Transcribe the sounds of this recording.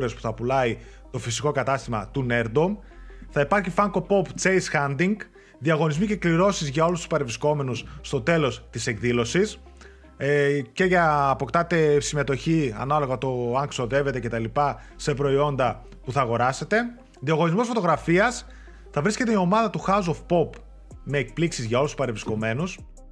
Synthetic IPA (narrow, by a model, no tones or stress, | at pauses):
ɾe̞spu̥θɐpulɐi | t̪o̞fisiko̞kɐt̪ɐst̪imɐ̰t̪une̞ɾd̪om | θɐipɐɾçifɐŋɡo̞po̞pt͡seisxɐnd̪iŋɡ | ðiɐɣo̞nizmice̞kliɾo̞sizʝɐo̞lust̪u̥spɐɾevɾisko̞me̞nusːt̪o̞t̪e̞lo̞st̪ise̞ɡðilo̞sis | ce̞ʝɐːpo̞kt̪ɐt̪e̞sime̞t̪o̞çiɐ̰nɐlo̞ɣɐt̪o̞ɐŋkso̞ðe̞ve̞t̪ece̞t̪ɐlipɐ | se̞pɾo̞io̞nd̪ɐ | puθɐːɣo̞ɾɐse̞t̪e̞ | ðiɐɣo̞nizmo̞sfo̞t̪o̞ɣɾɐfiɐs | θɐvɾisce̞t̪eio̞mɐðɐt̪uxɐuzofpo̞p | me̞ːk̚pliksizʝɐo̞lusu̥spɐɾevɾisko̞me̞nus